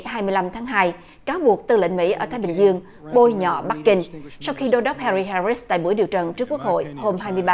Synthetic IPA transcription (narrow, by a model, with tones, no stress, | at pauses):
ɦaː˧jmɨ˧əjla˧mt̪ʰaː˨˦ŋɦaː˧j | kaː˨˦wɓu˨˩ək̚t̪ɨ˧˩lḭ˧˨ŋ̟mḭ˧˥ʔəː˧˩t̪ʰaː˨˦jɓï˨˩ŋ̟zɨ˧əŋ | ɓo˧jɲɔ̰˧˨ɓa˦˥k̚kï˧ŋ̟sa˧wxi˧ɗo˨˧˦ɗɔ˦˥p̚hɛ˧ɾi˧ɦaː˧ɹi˦˥st̪a̰ː˧˨jɓu˧˩əjɗi˨əwt͡ɕə˨˩nt͡ɕɨ˦˥kːu˦˥ək̚ho̰˧˨jho˧mɦaː˧jmɨ˧jɓaː˧